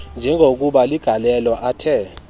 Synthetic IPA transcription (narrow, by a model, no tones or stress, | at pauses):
nd͡ʒʱɛŋɡʱok̬ʼuɓaliɡ̥ʱalɛlɔʔatʰɛ